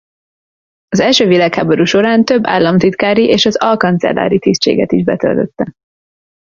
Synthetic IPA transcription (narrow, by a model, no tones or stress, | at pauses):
ɒzɛlʃøːvilaːkhaːboɾuʃo̞ɾaːnt̪ø̞bːa̰ːlːɒmt̪it̪kaːɾiʔeːʃɒzɒlkɒnt̪sɛ̰lːa̰ːɾit̪ist͡ʃḛːɡɛt̪iʒbɛt̪ø̰lt̪øt̪ːɛ